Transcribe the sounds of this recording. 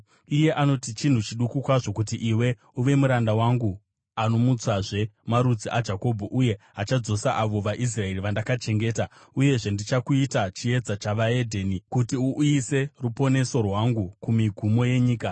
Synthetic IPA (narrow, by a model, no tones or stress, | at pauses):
ije̞ʔano̞tit͡ʃin̤ut͡ʃiɗukukwaʐo̞kut̬iʔiwe̞ | uʋe̞muɾandawaŋɡu | ano̞mut͡saʐe̞maɾud͡ziʔad͡ʒako̞bʱoʔuje̞ɦat͡ʃad͡zo̞saʔaʋo̞ʋaʔis̬rae̞riʋandakat͡ʃe̞ŋɡe̞ːta | uje̞ʐe̞ndit͡ʃakuitat͡ʃie̞d͡zat͡ʃaʋae̞dʱeːnikutiuʔjise̞rupo̞ne̞so̞rwaŋɡukumiɡʱumo̞je̞ɲiːka